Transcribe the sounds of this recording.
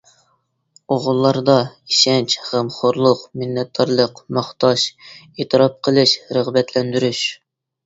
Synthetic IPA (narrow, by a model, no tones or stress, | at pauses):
oʁʊlˠːɑɾd̪ɑiʃɛnt͡ʃχæmχoɾlˠʊqmɪnːɛt̪̚d̪ɑɾlˠəqmɑχt̪ʰɑʃ | et̪ʰɨɾɑp̚qʰəlˠɨʃɾəʁbɛt̪ʰlɛnd̪yɾyʃ